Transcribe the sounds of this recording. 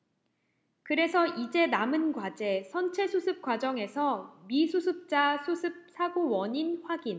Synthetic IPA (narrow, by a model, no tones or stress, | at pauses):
kɯɾe̞sʰʌid͡ʑe̞namɯnɡwad͡ʑe̞sʰʌnt͡ɕʰe̞sʰusʰɯp̚k͈wad͡ʑʌŋe̞sʰʌmisʰusʰɯp̚t͡ɕ͈asʰusʰɯp̚s͈ʰaɡowʌɲinɸwaɡin